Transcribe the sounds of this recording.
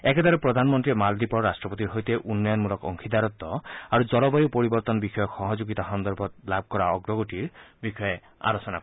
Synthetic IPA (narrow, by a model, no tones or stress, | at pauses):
eked̪aɾepɾɔd̪ʱanmɔnt̪ɾiɔmald̪ipɔɾɾasʈɾɔpɔt̪iɾɦɔjt̪eʔunːɔjɔnmulɔkɔ̰ŋkʰid̪aɾɔt̪ːɔaɾud͡ʒɔlɔbɔjupɔɾibɔɾt̪ɔnɔbixɔjɔxɔɦɔd͡ʒoɡit̪axɔnd̪ɔɾbʱɔt̪lab̚ʱkɔɾaɔɡɾɔɡoʈiɾbixɔje | a̰ɾɔsɔnak